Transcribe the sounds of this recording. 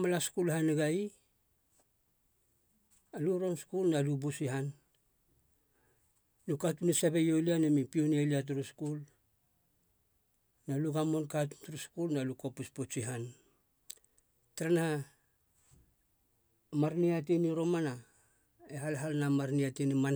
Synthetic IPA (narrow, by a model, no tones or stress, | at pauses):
malaskulhaneɡai | luɾo̞nskulnalubusiɦan | lukatunesabejo̞lianemipionialiat̬uɾuskul | naluɡamo̞nkatu̥ntuɾuskulnaluko̞puspot͡ʃiɦan | taɾana | maɾniat̬eniɾo̞mana | eɦalɦalnamaɾniateniman